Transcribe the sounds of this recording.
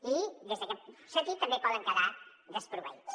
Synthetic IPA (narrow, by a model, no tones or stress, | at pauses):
id̪ezðəkɛt̪sənt̪it̪ːəmbepɔðəŋkəða | ðəspɾuβə̰it͡s